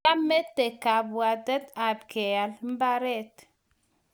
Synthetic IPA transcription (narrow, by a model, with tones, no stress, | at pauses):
a˦me˦te˨ka˨bwa˨dɛ˦t̪a˨bke˨a˨lm̩˦ba˦ɾɛ˦t̪